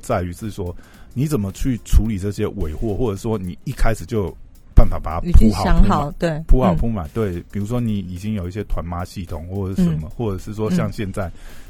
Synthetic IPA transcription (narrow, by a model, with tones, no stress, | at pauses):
t͡sa˥˩ɪy˧˥ʂɻ̩˥˩swɔ˥ | ni˨˦t͡sə˨˩nmə˦t͡ɕʰy˥˩ʈ͡ʂʰu˧˦˥li˨˩ʈ͡ʂɤ˥˩ɕjɛ˥we˨˩ɪxwɔ˥˨xwɔ˥˩ʈ͡ʂə˨˩ʂ̩˥˩ʂwɔ˥ni˨˩˦i˥˩kʰa˦˥ɪʂɻ̩˨˩t͡ɕjo˥ʊj | pa˥˩nfa˨˩pa˨˩˦pʰu˥a˨ɑ˥ŋɑ˨˩ʊt̪we˥˩ɪpʰu˥hɑ˨˩ʊpʰu˥ma˨˩ɪt̪we˥˩ɪpi˨˩ɻu˧˥ʂ̬wɔ˥ni˨˩i˨˩t͡ɕi˦˥ŋjo˨˩ʊi˥˩ɕ̬jɛ˦˥t̪ʰwa˧˦nma˦˥ɕi˥˩t̪ʰʊ˨˩˦ŋxwɔ˥˩˥ʂə˧˦nmə˨˦xwɔ˥˩ʈ͡ʂɤ˨˩ʂɻ̩˥˩ʂwɔ˦˥ɕjɑ˥˧ŋɕjɛ˥˧nt͡sa˥˩ɪ